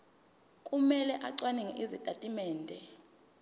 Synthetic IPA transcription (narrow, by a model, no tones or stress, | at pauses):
kʼumɛlɛʔaǀwanɛŋɛʔizitʼatʼimɛːndʱɛ